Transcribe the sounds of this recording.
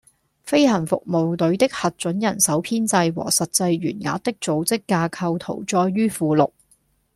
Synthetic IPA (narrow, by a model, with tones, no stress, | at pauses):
fe˥jhɐ˨˩nfʊ̰˨k̚mo˨wt̪ɵ˨˥ɥt̪ɪ˥k̚hɐ˨t̚t͡ʃɵ˨˥njɐ˨˩nsɐ˨˥wpʰiː˥nt͡sɐ˧jwɔ̰ː˨˩sɐ˨t̚t͡sɐ˧jɥyː˨˩nŋa̰ː˨˥t̚t̪ɪ˥k̚t͡so˨˥wt͡sɪ˥kːaː˧kʰɐ˧wt̪ʰo̰˨˩wt͡sɔː˧jːyː˥fuː˨˧lʊ˨k̚